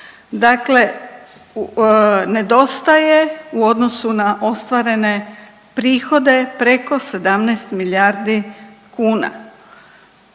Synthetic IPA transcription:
d̪akle̞ | ne̞d̪o̞st̪aje̞uo̞d̪no̞sunaʔo̞st̪ʋaɾe̞ne̞ | pɾiːxo̞d̪e̞pɾe̞ko̞se̞d̪amnɛjst̪miljaɾd̪ikuːna̰

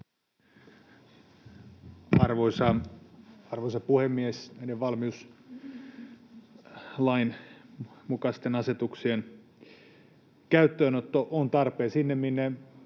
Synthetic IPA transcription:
ɑrʋoisɑ | ɑrʋoisɑpuhemːiesnæideʋʋɑlmius | lɑin | mukɑst̪enɑset̪uksien | kæyt̪ːøːnot̪ːoʔont̪ɑrpeːsinːemminːe

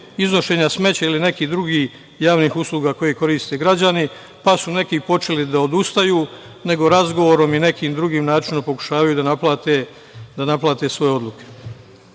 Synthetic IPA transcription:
izno̞ʃe̞ːɲasme̞t͡ɕailine̞kiːd̪ɾuɡiːh | jaːʋniːxusluːɡaːko̞jiko̞ɾiːst̪e̞ɡɾad͡ʑani | pasune̞kipo̞t͡ʃe̞lid̪aod̪ust̪ajuː | ne̞ɡo̞ɾazɡo̞ʋo̞ɾo̞mine̞kiːmd̪ɾuɡiːmnaːt͡ʃinompo̞ku̥ʃaːʋajud̪anaplat̪e | d̪anaplaːt̪e̞sʋo̞jeo̞d̪lˠuke̥

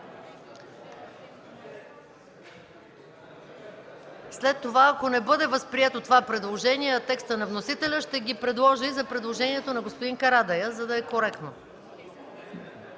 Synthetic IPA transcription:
slɛt̪ːovaːkonɛbɤd̪ɛvəspɾiɛt̪ot̪ovapɾɛd̪lˠoʒɛniɛɐt̪ɛkst̪ənɐvnosit̪ɛlʲəʃt̪ɛɡʲipɾɛd̪lˠɔʒiizɐpɾɛd̪lˠoʒɛniɛt̪onɐɡospod̪iŋkɐɾad̪ɐjəzɐd̪ɐɛkoɾɛkt̪no

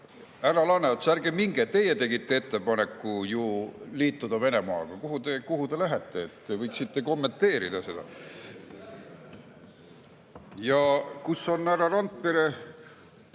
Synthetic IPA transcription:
æɾɑlɑnet̪særɡ̥emiŋɡ̥et̪e̞jet̪e̞ɡit̪ˑːe̞et̪ːe̞pɑne̞kːˑujuliːt̪ːˑud̪̥ɑve̞ne̞mɑːɡ̥ɑkuɦut̪e̞kuɦud̪e̞læɦet̪ːˑe̞ːt̪ːevɤjksit̪ːe̞ko̞mːe̞nt̪ːˑe̞ːɾid̪̥ɑse̞d̪̥ɑ̰ | jɑkusːo̞nːæɾɑɾɑnt̪̚peɾe

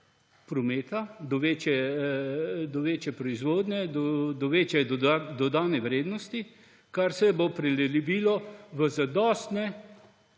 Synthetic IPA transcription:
pɾɔmeːt̪ad̪ɔʋeːt͡ʃɛ | d̪ɔʋeːt͡ʃjɛpɾɔizʋoːd̪nʲɛd̪ɔd̪ɔʋeːt͡ʃjɛd̪ɔd̪aːnɛʋɾeːd̪nɔst̪i | kaɾsɛbopɾɛlɛlibiːlɔʋəzad̪ɔːst̪nɛ

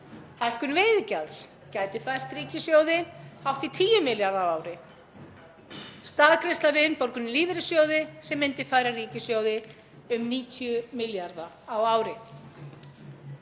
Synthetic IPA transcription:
hajr̥kʏnvɪːjðʏcals | caːjt̪ɪfajr̥t̪riːcɪsjoːwðɪawht̪it̪ʰiːjʏmɪljaɾðawaːwɾɪ | st̪aːðkʰɾɪst̪lavɪʏnpɔɾkʏnɪliːvɪɾɪsjoːwðɪsɛmːɪnt̪ɪfaːjɾariːcɪsjowðɪ | ʏmniːt̪ʰjʏmɪljaɾðaːwaːwɾɪ

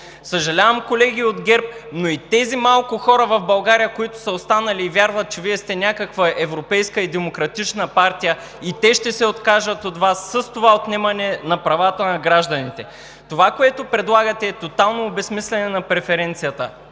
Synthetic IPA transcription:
səʒɐlʲavəmkolɛɡ̟ʲiod̪ɡʲɛɾp̚noit̪ɛzimalˠkʊxɔɾəvɐvbɐlˠɡaɾijəkoit̪ʊ̥sɐost̪anɐliːvʲjaɾvət̪̚t͡ʃɛviɛst̪ɛnʲakəkvəʔɛvɾopɛjskəid̪ɛmokɾɐt̪it͡ʃnəpaɾt̪ijə | it̪ɛʃt̪ɛsɛot̪kaʒət̪ot̪vasːəst̪ovaot̪nɛmɐnɛnɐpɾɐvat̪ənɐɡɾaʒd̪ɐnit̪ɛ | t̪ovakoɛt̪opɾɛd̪lˠaɡət̪ɛːt̪ot̪alˠnoːbɛsmislʲɛnɛnɐpɾɛfɛɾɛnt̪sijət̪ə

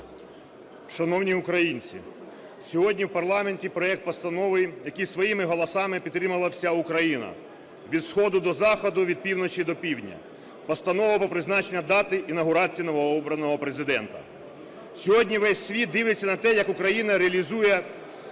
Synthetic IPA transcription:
ʃɐnɔwnʲiukɾɐjinʲt͡sʲḭ | sʲɔɦɔdʲnʲiwpɐrlˠɑmenʲtʲipɾɔɛk̚t̪̚pɔst̪ɐnɔʋɪjɐkɪjsʋɔjimɪɦɔlˠɔsɑmɪpʲid̪t̪ːɾɪmɐlˠɐwsʲaukɾɐjinɐ̰ | ʋʲid̪sxɔd̪ʊd̪ɔzɑxɔd̪ʊʋʲid̪̚pʲiwnɔt͡ʃid̪ɔpʲiwdʲnʲɐ̰ | pɔst̪ɐnɔʋɐpɔpɾɪznɑt͡ʃenʲːɐd̪ɑt̪ɪʔinɐɦʊɾɑt͡sʲijinɔʋɔɔbɾɐnɔɦɔpɾezɪd̪ɛnt̪ɐ̰ | sʲɔɦɔdʲnʲiʋɛsʲsʲʋʲit̪̚d̪ɪʋɪt͡sʲːɐnɐt̪ɛjɐkʊkɾɐjinɐɾeɐlʲizujɛ

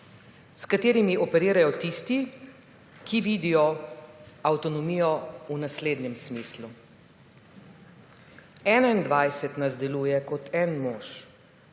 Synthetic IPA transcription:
skat̪eːɾimiʔɔpɛɾiːɾajɔt̪iːst̪i | kiʋiːd̪ijɔ | awt̪ɔnɔmiːjɔunasleːd̪nɛmsmiːslu | ɛːnaind̪ʋajsɛt̪nazd̪ɛluːjɛkɔt̪ɛnmoːʃ

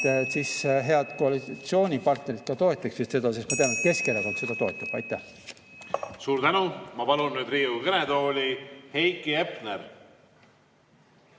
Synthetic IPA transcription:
siːsɦe̞ɑd̪̥koɑlit̪sio̞ːnʲipɑrt̪ne̞ɾit̪̚kɑt̪o̞e̞t̪ːˑɑksvest̪se̞d̪ɑsesmɑt̪e̞ɑnet̪̚ke̞skelɑɡonse̞d̪̥ɑt̪o̞e̞t̪ːˑɑb̥ɑ̰jt̪ːˑæh | suːɾt̪ænumɑpɑlunːyːd̪ɾiːukɤned̪oːlʲihejkːiepneɾ

